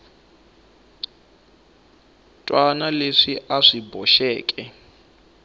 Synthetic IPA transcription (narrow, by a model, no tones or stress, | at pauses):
tʼwanaleʂiʔaʂibɔʃɛːkʼɛ